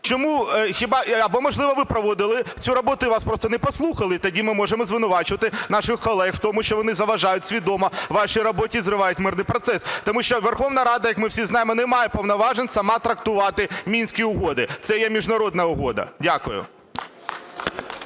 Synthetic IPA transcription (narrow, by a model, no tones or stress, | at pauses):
t͡ʃɔmuxʲibɑɐbɔmɔʒlˠɪʋɐʋɪpɾɔʋɔd̪ɪlˠɪt͡sʲuɾɔbɔt̪ʊɪʋɑspɾɔst̪ɔnɛpɔslˠuxɐlˠɪt̪ɐdʲimɪmɔʒemɔzʋɪnʊʋɑt͡ʃʊʋɐt̪ɪnɑʃɪxkɔlˠɛxwt̪ɔmʊʃt͡ʃɔʋɔnɪzɐʋɐʒɑjʊtʲsʲʋʲid̪ɔmɔʋɑʃijɾɔbɔtʲizɾɪʋɑjʊtʲmɪrnɪjpɾɔt̪sɛst̪ɔmuʃt͡ʃɔʋerxɔʋnɐɾɑd̪ɐjɐkmɪwsʲiznɑjɪmɔnɛmɑjɛpɔʋnɐʋɑʒenʲsɐmɑt̪ɾɐk̚t̪ʊʋɑt̪ɪmʲinʲsʲkʲiʊɦɔd̪ɪt̪sɛjɛmʲiʒnɐɾɔd̪nɐʊɦɔd̪ɐ̰dʲakʊjʊ̰